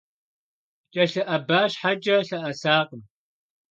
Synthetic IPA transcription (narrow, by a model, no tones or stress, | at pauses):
t͡ʃʼɐɬɨʔɐbaːʃħad͡ʒʼɐɬɐʔɐsaːqəm